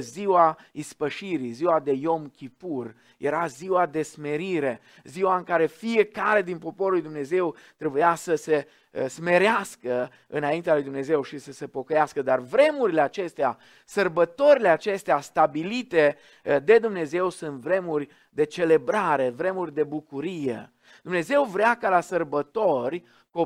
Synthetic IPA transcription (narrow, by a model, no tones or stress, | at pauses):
ziwaispəʃiɾiziwad̪e̞jo̞mkʲipur | jʔeɾaziwad̪e̞sme̞ɾiɾe̞ | ziwaɨŋkaɾe̞fie̞kaɾe̞d̪inpo̞poɾulujd̪umne̞ze̞wt̪ɾe̞bujasəse̞ | sme̞ɾeaskə | ɨnaint̪ealuijd̪umne̞ze̞wʃisəse̞po̞kəjaskəd̪arvɾe̞muɾile̞at͡ʃe̞st̪ea̰ | sərbət̪o̞ɾileat͡ʃe̞st̪east̪abilit̪e̞ | d̪e̞d̪umne̞ze̞wsunt̪vɾe̞murʲ | d̪e̞t͡ʃe̞le̞bɾaɾe̞vɾe̞murʲd̪e̞bukuɾijḛ | d̪umne̞ze̞wvɾeakalasərbət̪o̞rʲ | ko